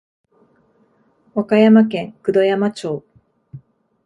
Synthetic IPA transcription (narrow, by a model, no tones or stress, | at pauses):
akajamak̬ẽ̞ŋkɯ̟d̪o̞jamat͡ɕo̞ː